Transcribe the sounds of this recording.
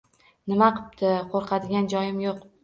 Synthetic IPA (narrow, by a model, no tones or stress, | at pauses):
nɪmaqʰɨ̥p̚t̪ʰɪqʰoɾqʰɑd̪ɪɡʲand͡ʒɒjɪmjoq